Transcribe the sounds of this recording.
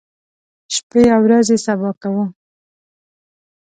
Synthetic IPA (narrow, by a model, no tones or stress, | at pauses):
ʃpeawɾazesabɑkawə